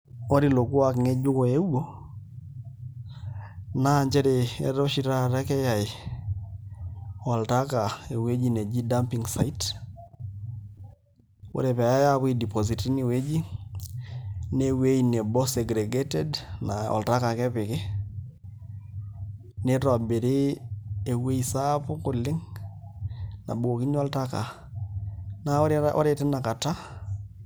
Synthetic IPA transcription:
o˦ɾi˦lo˨ku˦a˨kɪ˨ŋe˦d͡ʒʊ˦kɔ˨e˦wo˦ | na˦ɲd͡ʒɛ˦ɾe˨ɛ̰˦ɾo˦ʃi˨ɾa˦ɾɛ˦kɛ˦ja˨ɪ˨ | ɔ˨lta˦ka˨e˨we˦d͡ʒi˦ne˨d͡ʒi˦da˦mpi˨ŋsa̰˨i˦t | o̰˦ɾe˨pɛ˨a˨ja˦ja˦βi˦di˨pɔ˨zi˨ti˦ni˨we˦d͡ʒi˦ | ne˦we˦ine˨bɔ˦se˨ɡɾɛɡetɛdnaɔ̰˨lta˦ka˨kɛ˦pɪ˨ke˦ | ne˦ta˨be˨ɾe˦e˨we˦isa˦pʊ˦kʊ˨lɪ˦ŋ | na̰˨bu˨o˨ki˦ɲɔ˦lta˦ka̰˨ | naɾʔɔ̰˦ɾetɛ˦na˨ka˨ta˦

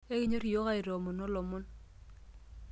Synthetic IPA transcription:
e˦ki˦ɲo˦ɾi˨jo˦ɣa˦i˨ɾo˨mu˨no˦lɔ˨mu˦n

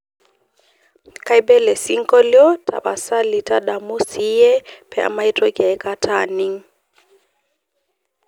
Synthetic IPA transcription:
ka˦i˦ɓɛ˦lɛ˨si˦ŋkɔ˦ljɔ˦tʰa̰˨ba˨sa˦li˨ta˦ɗa˨mu˦si˦ɛ˦pɛ˦a̰˨ma˦i˦tɔ˦kja˨ɛ˦ka˦tʰani˦ŋ

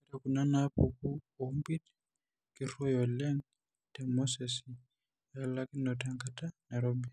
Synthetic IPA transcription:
ɛ˦ta˨ku˨na˦na˦po̰˨ku˦ɔ˨mbi˦d | ki˨ɾɔ˦jɔ˨lɛ˦ŋ | tɛ˨mɔ˦sɛ˨si | ja˨la˦ki˦nɔ˨tɛ˨ŋkata˦na˨ɾɔ˦mi

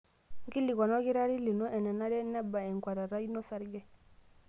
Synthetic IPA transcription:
ŋ˦ɡi˦lːi˨ɡɔ˨no˦ɡi˦ɾa˦ɾi˦li˨nɔ˦ʔɛ˨nɛ˨na˦dɛ˦na˦ba˨ɛ˨ŋkwa˨ɾa˨ɾa˦i˦nɔ˦sa˦ɾɡɛ˦

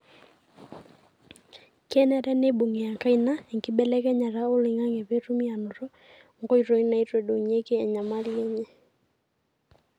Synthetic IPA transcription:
kɛ˦nɛ˨ɾɛ˦ne˦bo˨ŋe˨a˨ka˦i˦na˦e˨ŋkɪ˦ɓɛ˦lɛ˦kɛ˦ɲa˨ɾa˦o˦lɪ˨ŋa˦ŋe˨βe˦tu˦mi˦a˨nʊ˨ɾɔ˦ | ŋɡo˦i˨ɾo˨i˦na˨i˦twe˨do˨ɲe˦keː˦˨ɲa˨ma˦ljɛ˦ɲɛ˦

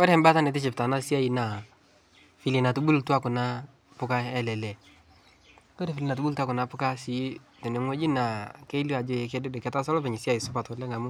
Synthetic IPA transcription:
ɔ˦ɾɛ˦mba˦ta˦ne˨t̬ɪ˦t͡ʃɪ˨pta˨na˦si˦a˦i˨na˨ | fi˨li˨na˨tu˦bu˦ltu˦a˦kʊ˨na˦ | pʊ˦ka˦ɛ˦lɛ˨lɛ˨ | ko˦ɾe˨fi˨li˨na˨tu˦bu˦ltu˦a˦kʊ˨na˨pʊ˦ka˦si˨˦tɛ˨ne˨ŋwe˦d͡ʒi˦na˨ke˦i˦li˦a˨d͡ʒo˦jk̬e˦de˦de˨kɛ˨ta˦sɔ˦lɔ˦pɛ˨ɲɪ˨si˦a˨ji˨sʊ˦pa˨tɔ˨lɛ˦ŋa˨mʊ˦

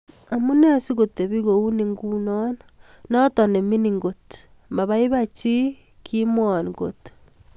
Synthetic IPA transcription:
a˨mu˦ne˦˨si˦ɣo˨te˨βi˦ɣo˨u˦ni˦ŋɡuno˦nano˦to˨ne˨mi˦niŋɡo˨te̥ | mba˨βa˦i˦βa˦t͡ʃi˦ | kʰimwo˨niɡo̰˨te̥

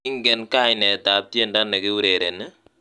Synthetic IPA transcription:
i˦ŋɡɛ˨nka˦jnɛ˨ta˨˦p̚tje˦nda˦nːe˨ki˦u˦ɾe˨ɾe˨nɨ˦

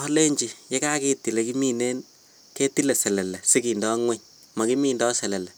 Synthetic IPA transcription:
ɔ˦le˦ɲd͡ʒi˨je˦ka˦ki˦ti˨le˨ki˦mi˦ne˦n | ke˦ti˦le˨sɛ˨lɛ˨lɛ˨si˦ki˨ndɔ˦ŋwɛ˦ɲ | ma˨ki˦miː˦ndɔ˦sɛ˨lɛ˨lɛ˨

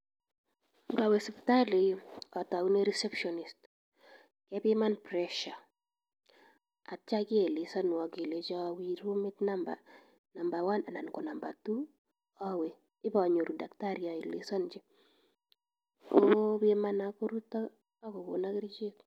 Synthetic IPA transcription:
ŋɡa˨we˨sɛ˨pta˦le˨ja˨ta˨wu˦ne˦ɾi˦sɛ˦pʃɔ˨nist | kɛpɪma˦npɾɛʃa˨ | a˨t͡ʃa˦kɪ˦ɛ˨lɪ˨sa˦nwa˨ke˨le˨t͡ʃa˦wiɾu˦mɪ˦tna˦mba̰˨ | na˨mba˨wa˦na˨na˨nkɔ˨na˨mba˨tu˦ | a˦wɛ˨ | ɪ˦ba˨ɲo˨ɾu˨da˨kta˦ɾja˨i˨lɪ̰˨sa˦nd͡ʒɪ˦ | kobɪma˦na˨ko˦ɾu˦ta˦ | a˦kɔ˨ko̰˨na˦kɪɾt͡ʃe˦k

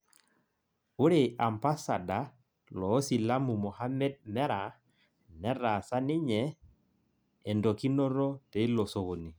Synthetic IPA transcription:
u˦ɾe˨a˨mpa˦sa˨da˨˦ | lɔː˨˦si˨la˦mu˨mɔ˨ha˦mɛ˦d̚mɛ˦ɾa˨ | nɛ˦ɾa˨sa˦nɪ˦ɲɛ˨ | ndo˨ki˦no˦ɾo˦tɛ˨i˦lo˨so˨ɣo˨ni˨

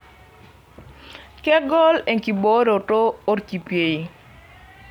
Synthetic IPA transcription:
kɛ˦ɡɔ˦le˨ŋki˨bo˦ɾo˨toː˦tki˨pje˨ji˨

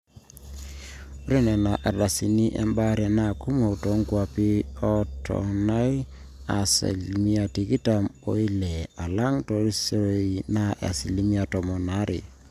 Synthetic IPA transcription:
o˦ɾe˦nɛ˨na˨ʔa˨ɾa˨si˨ni˦ʔɛ̰˦mba˦ɾja˨na˦˨ku˦mo˨to˨˦ŋɡwa˨pi˦ɔ˦tʰɔ̰˨na˦j | a˨sa̰˨lmi˦a˨ti˨ki˦ta˨mo̰˦i˦lɛ˨a˨la˦ŋto˨ɾi˦se˦ɾo˦i˨na˦ʔa̰˨si˨li˦mi˦a˨tɔ˨mɔ˨na˦ɾʔɪ̰˨

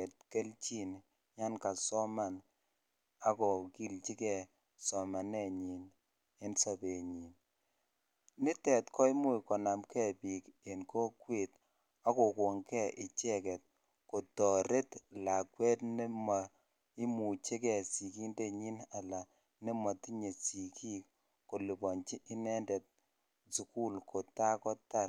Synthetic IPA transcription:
ɛ˨t̚ke˦lt͡ʃi˦n | ɲa˦nka˨sɔ˦ma˨n | a˨˦kɔ˨ki˦lt͡ʃi˦kɛ˨ | sɔ˨ma˨nɛ˦ɲi˨n | e˦nsa˨pe˨ɲi˨n | nɪ˦tɛ˨tkɔ˦jmu˦jkɔ˨na˨mkɛ˦pi˨ke˨nkɔ˦kwe˦˨t | a˦ko˨ko˨ŋkɛ˦˨ʔi˨t͡ʃɛ˦kɛ˨t̚ | ko˨tɔ˨ɾe˦tla˨kwɛ˦tne˦ma˨ | i˦mu˨t͡ʃe˦kɛ˨si˨ki˦nde˦ɲi˦na˨la˨ | ne˦ma˨ti˦ɲe˨si˨ki˦k | ko˨li˨bɔ˨nt͡ʃi˦ʔɪ˦nɛ˦ndɛ˨t̚ | su˨ku˦lkʰo˨ta˦kɔ˦ta˦˨

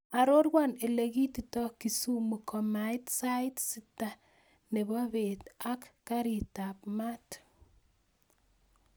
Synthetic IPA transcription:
a˨ɾo˦rɡwa˦ne˨leɣi˦titɔki˨su˦mu˨kʰɔ˨majtsa˦itsi˦ta | ne˨βɔ˦be˨ta˦kːaɾi˨tapma˦t

